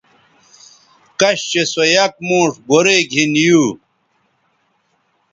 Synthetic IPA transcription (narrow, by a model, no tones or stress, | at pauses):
kɐɕt͡ɕesojɐk̚mõːʂɡoɾeːɡʱinjuː